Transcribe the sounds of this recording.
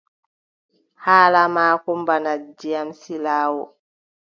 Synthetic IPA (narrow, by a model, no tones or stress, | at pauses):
haːlamaːkɔmbanad͡ʒijamsilaːwɔ̰